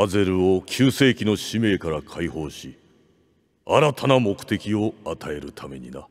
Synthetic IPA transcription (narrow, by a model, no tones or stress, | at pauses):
aze̞ɾɯ̟o̞kʲʰɨːse̞ːkʲino̞ɕime̞ːkaɾakʰaiho̞ːɕi | aɾat̪ʰanamo̞kɯ̟̥t̪e̞kʲio̞at̪ʰae̞ɾɯ̟t̪ʰame̞̰ɲ̟ḭna̰